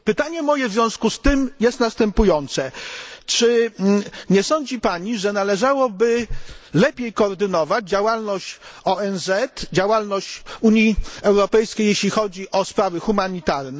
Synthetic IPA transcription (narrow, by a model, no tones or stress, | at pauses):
pɘt̪aɲɛmɔjɛvzvʲjɔ̃w̃skust̪ɘmjɛst̪nast̪ɛmpujɔnt̪sɛt͡ʂɘ | ɲɛsɔɲd͡ʑipaɲiʐɛnalɛʐawɔbɘlɛpʲjejkɔːɾd̪ɘnɔvad͡ʑd͡ʑawalnɔɕt͡ɕɔɛnzɛt̪d͡ʑawalnɔɕt͡ɕuɲjiɛwɾɔpɛjskʲejːeɕlʲixɔd͡ʑiʔɔspɾavɘxumaɲit̪aɾnɛ